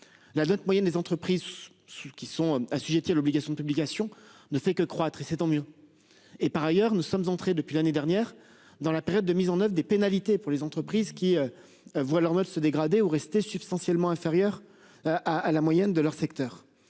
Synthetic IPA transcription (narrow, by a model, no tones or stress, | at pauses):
lanɔt̪mwajɛnd̪ezɑ̃t̪χəpχiz | skʲisɔ̃asyʒet̪ialɔbliɡasjɔ̃d̪əpyblikasjɔ̃nəfɛkəkχwat̪χesɛt̪ɑ̃mjø | epaʁajœʁnusɔmzɑ̃t̪χed̪əpɥilaned̪ɛʁnjɛːʁ | d̪ɑ̃lapeʁjɔd̪ːəmizɑ̃nœvʁd̪epenalit̪epuʁlezɑ̃t̪χəpχizkʲiø | vwalœʁnɔt̪səd̪eɡʁad̪euʁɛst̪esypst̪ɑ̃sjɛlmɑ̃ɛ̃feʁjœʁ | ʔaːlamwajɛnd̪əlœʁsɛkt̪œːʁ